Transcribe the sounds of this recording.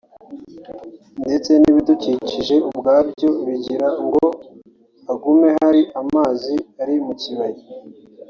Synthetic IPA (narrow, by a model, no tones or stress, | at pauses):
nde̞t͡se̞niβiduciːciʒe̞ubɡaːbɟo̞βiɟiɾaŋɡo | aɡume̞ɦaɾiʔamaːziaɾimuciβaji